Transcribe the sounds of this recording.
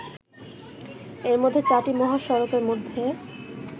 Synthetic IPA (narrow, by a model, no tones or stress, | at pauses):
eɾmod̪ʱːet͡ɕaʈimɔɦaʃɔɾokeɾmod̪ʱːe